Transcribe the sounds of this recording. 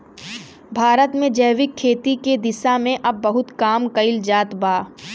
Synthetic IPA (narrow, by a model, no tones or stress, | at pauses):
bʱaːɾət̪mẽd͡ʒɐːʋɪkʰːeːt̪iked̪ɪsamẽʔɐbːɐɦʊt̪kaːmkɐɪld͡ʒaːt̪baː